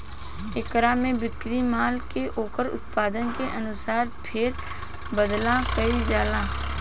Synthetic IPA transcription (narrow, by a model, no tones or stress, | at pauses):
ɪkɾamẽbɪkɾimaːlkeʔoːkəɾʊ̰t̪̚paːd̪ənkeʔɐnʊsaːɾpʰɪɾ | bəd̪lakəid͡ʒaːlaː